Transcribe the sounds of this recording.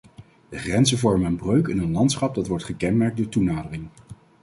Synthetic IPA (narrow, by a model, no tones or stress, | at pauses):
d̥əχrɛnzəvɔɹmənənbrøɥkɪnənlɑntsχɑp̚dɑtʋɔɹtχəkɛnmɛɹk̚doːɹtunaːdərɪŋ